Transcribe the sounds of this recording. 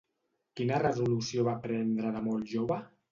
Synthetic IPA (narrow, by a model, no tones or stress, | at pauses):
kinərəzulusioβapɾɛnd̪ɾələmolˠʒoβə